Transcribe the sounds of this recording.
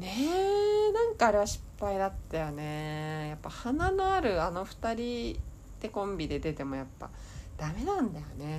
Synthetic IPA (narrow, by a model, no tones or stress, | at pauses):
nenãŋkaːɾe̞βaɕi̥pːaid̪at̪ːajone̞japːahananoaɾɯ̟ano̞ɸɯ̟̥t̪aɾʲi | d̪̥e̞kõ̞mbʲid̪e̞d̪e̞t̪e̞mo̞japːa̰ | d̪̥ame̞nãnd̪ajo̞ne̞